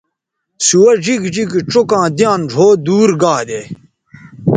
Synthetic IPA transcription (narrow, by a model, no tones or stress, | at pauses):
suwɐd͡ʑiɡd͡ʑiɡiʈ͡ʂokãːd̪ijãːnʐʱoːd̪uːɾɡaːd̪eː